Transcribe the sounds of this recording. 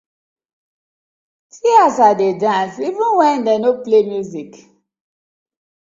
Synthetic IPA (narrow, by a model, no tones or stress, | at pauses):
siasadedãnsivĩnwɛ̃ndenoplemjuzik